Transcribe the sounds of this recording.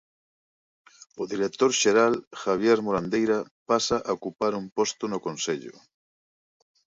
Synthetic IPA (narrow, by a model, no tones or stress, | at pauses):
ʊðiɾet̪oɾʃeɾalxaβ̞jeɾmoɾand̪ejɾapasaʔaokupaɾumpost̪ʊnokonseʎʊ̰